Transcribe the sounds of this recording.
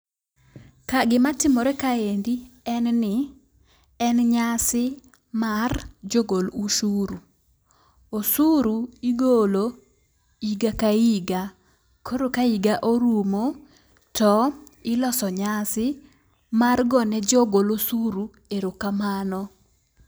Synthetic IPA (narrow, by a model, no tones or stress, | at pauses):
kaɡɪmatɪmoɾɛkaendiɛnnɪ | ɛnɲasɪ | mard͡ʒoɡoluʃuɾu | osuɾuiɡolo | iɡakaiɡa | kʰoɾokaiɡaʔoɾumo | tɔ | ɪlɔsɔɲasɪ | marɡɔnɛd͡ʒoɡolosuɾu | eɾokamanɔ